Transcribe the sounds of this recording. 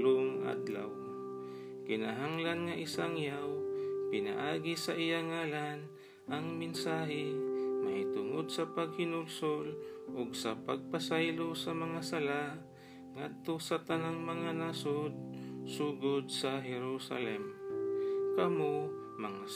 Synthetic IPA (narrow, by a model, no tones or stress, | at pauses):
loŋʔa̰d̪la̰w | kɪnaɦaŋlanŋaʔɪsaŋjawpɪna̰ʔaːɡisɐʔɪjaŋaːlan | ʔɐŋmɪnsaːɦɛmɐhɪt̪ʊŋod̪̚sɐpaɡ̚hɪnʊlsolʔoɡsɐpaɡ̚pasajlosɐmɐŋasɐla | ŋad̪̚t̪osɐt̪ɐnaŋmɐŋanasod̪̚suɡod̪̚sɐɦɛɾusa̰lɛm | kɐmo | mɐŋa